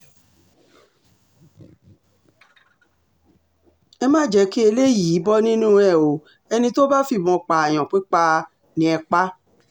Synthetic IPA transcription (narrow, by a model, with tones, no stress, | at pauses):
ɛ˧mãː˦˨d͡ʒɛ˨˦ki˦e˧le˦ji˨˦bɔ˦nĩ˦nũ˦ɛ˦˨o˨ | ɛ˧nĩ˧to˦ba˦fi˦˨mɔ̃˧˦k͡pa˨j̃ã˨k͡pe˦k͡pa˧ | nĩ˧˦ɛ˧k͡pa˦